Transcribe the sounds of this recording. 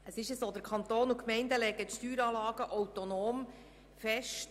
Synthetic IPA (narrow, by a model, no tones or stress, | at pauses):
əsɪʃəsoːd̪əɾkʰɑnt̪oːnukmɛɪndəlɛɡət̪ʃtyːɾɑːlɑːɡəʔɔwt̪onoːm | fɛʃt